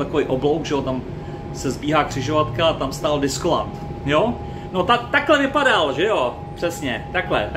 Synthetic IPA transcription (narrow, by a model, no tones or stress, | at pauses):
t̪ako̞vejʔoblowkʒɛjo̞t̪am | sɛzbiːɦaːkr̝̥ɪʒo̞vat̪kaat̪amst̪aːldɪskola̰nt̪ | jo | no̞t̪at̪aklɛvɪpadalʒɛjo | pr̥ɛsɲɛt̪aklɛ̰t̪